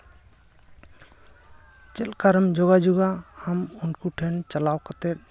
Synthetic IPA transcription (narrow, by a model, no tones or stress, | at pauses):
t͡ʃelkaɾəmd͡ʒɔɡad͡ʒuɡaamunkuʈʰent͡ʃəlawkət̪e